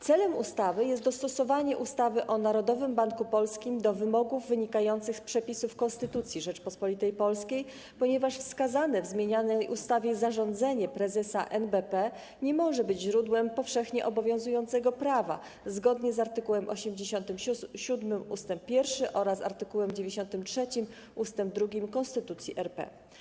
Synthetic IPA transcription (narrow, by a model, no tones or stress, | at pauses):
t̪sɛlɛmust̪avɘjɛst̪d̪ɔst̪ɔsɔvaɲɛʔust̪avɘʔɔnaɾɔd̪ɔvɘmbaŋkupɔlskʲimd̪ɔvɘmɔɡuvːɘɲikajɔnt̪sɘxspʂɛpʲisufkɔ̃nst̪ɘt̪ut̪sʲjiʐɛt͡ʂpɔspɔlʲit̪ɛjpɔlskʲej | pɔɲɛvaʂfskazanɛvzmʲjeɲanɛjʔust̪avʲjɛzaʐɔnd̪zɛɲɛpɾɛzɛsa̰ʔɛnbɛpɛ | ɲɛmɔʐɛbɘd͡ʑʑɾud̪wɛmpɔfʂɛxɲɛʔɔbɔvʲjɔ̃w̃zujɔ̃nt̪sɛɡɔpɾava̰ | zɡɔd̪ɲɛzaɾt̪ɘkuwɛmʔɔ̰ɕɛmd͡ʑeɕɔnt̪ɘmɕud̪mɘmust̪ɛmppʲːjɛɾfʂɘʔɔɾasa̰ɾt̪ɘkuwɛmd͡ʑevʲeɕɔnt̪ɘmtʂɛt͡ɕim | ʔust̪ɛmb̚d̪ɾuɡʲimkɔnst̪ɘt̪ut̪sʲjiʔɛɾpɛ̰